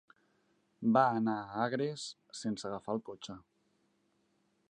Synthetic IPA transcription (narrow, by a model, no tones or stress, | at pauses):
baənaəaɣɾes | sensəɣəfaəlˠkot͡ʃə